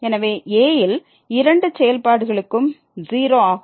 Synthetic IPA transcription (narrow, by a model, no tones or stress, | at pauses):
ɛnɐʋeːʔeːjɪl | ɪɾɐɳɖɯt͡ʃɛjɐlpaːɽɯɣɐɭɯkːɯm | ziːɾoːa